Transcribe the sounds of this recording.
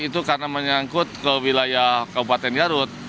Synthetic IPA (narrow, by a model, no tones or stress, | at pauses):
it̪ukarnaməɲaŋkʊt̪̚kəwilajahkabupat̪ɛnɡaɾʊt̪̚